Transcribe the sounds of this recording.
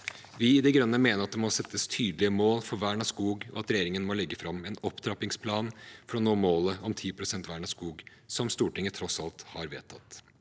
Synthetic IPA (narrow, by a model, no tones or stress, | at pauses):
ʋɪɪd̪ɛɡɾœnːəmeːnəɾɑt̪̚d̪ɛmɔsɛt̪ʰːəst̪ʰyːd̪lɪəmoːlfɔɾʋæːɳɑskuːɡɔ̰ɑt̪ɾɛjeːɾɪŋənmɔlɛɡːəfɾɑmːɛnɔpːd̪ɾɑpɪŋspʰlɑːnfɔɾɔnoːmoːləɔmt̪ʰiːpʰɾʊsɛnt̪ʋæːɳɑskuːɡsɔmst̪uːʈɪŋət̪ʰɾɔsɑlt̪hɑɾʋḛːt̪ʰɑt̪